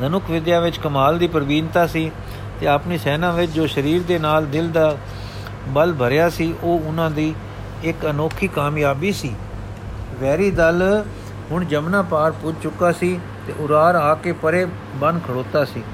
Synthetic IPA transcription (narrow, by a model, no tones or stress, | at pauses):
d̪ənʊkʰʋɪd̪jaːʋɪt͡ʃkəmaːld̪iːpəɾʋiːnt̪aːsiː | t̪eːəpniːsɛːnãːʋɪt͡ʃd͡ʒoːʃəɾiːɾd̪eːnaːld̪ɪld̪aː | bəlbʱəɾjaːsiːʔoːʊnãːd̪iː | ɪkənoːkʰiːkaːmjaːbiːsiː | ʋɛːɾiːd̪əl | ɦʊɳd͡ʒəmnãːpaːɾpʊd͡ʒt͡ʃʊkːaːsiː | t̪ḛːʔʊɾaːɾaːkeːpəɾeː | bənd̪kʰəɽoːt̪aːsiː